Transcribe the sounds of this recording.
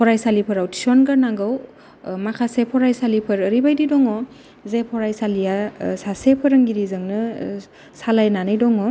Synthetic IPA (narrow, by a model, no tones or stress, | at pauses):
pʰɔɾajsalipʰɐɾawti̥sɔnɡaɾnaŋɡɯw | makʰasepʰɔɾajsalipʰɐɾəɾibajdidɔŋɔ | zepʰɔɾajsalijasasepʰɯɾɯŋɡiɾizɯŋnɯ | salajnanɯjdɔŋɔ